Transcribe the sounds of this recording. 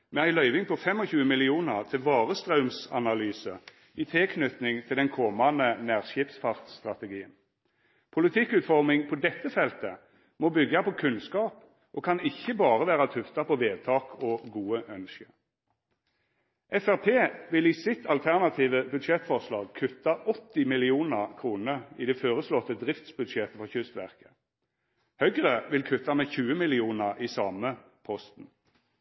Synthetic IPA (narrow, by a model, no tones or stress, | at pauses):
mɛæɪlœʏʋɪŋpʰɔfɛmɔçʉːəmɪlɪuːnəʁt̪ʰɪʋɑːʁəst̪ʁœʉmsɑ̰nɑlyːsə | iːt̪ʰɪlkʰnʏt̪nɪŋt̪ʰɪld̪ɛnkʰɔmɑnənæːʁʃɪːpsfɑʁt̪st̪ʁɑt̪ɛɡiːən | pʰʊlɪt̪ʰɪkʉːt̪fɔʁmɪŋpʰɔd̪ɛt̪ːəfɛlt̪ə | mɔbʏɡːɑpʰɔkʰʉnskɑːp | ʔoːkʰɑnɪçːəbɑːʁəʋæːʁɑt̪ʰʉft̪ɑpʰɔʋeːd̪̚t̪ʰɑːkʰɔɡuːəʔœnʃə | ʔɛfæʁpʰeːʋɪliːsɪt̪ʰɑlt̪ʰæʁnɑt̪ʰiːʋəbʉd̪ʃɛt̪fɔʁslɑːɡ̚kʰʉt̪ːɑʔɔt̪ːɪmɪlɪuːnəʁkʰʁuːnəid̪ɛfoːʁəslɔt̪ːəd̪ʁɪft̪sbʉd̪ʃɛt̪əfɔʁçʏst̪ʋæʁkə̥ | hœɡʁəʋɪlkʰʉt̪ːɑmɛçʉːəmɪlɪuːnəʁiːsɑːmə | pʰɔst̪n̩